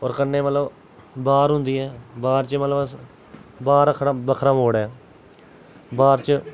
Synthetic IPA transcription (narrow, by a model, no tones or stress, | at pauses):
ɔːɾkənːeːmət̪ləb | baːɾɦʊ̃nd̪iːɛːbaːɾt͡ʃmət̪ləb | baːɾəkʰɾaːbəkʰɾãːmoːɽɛː | baːɾt͡ʃə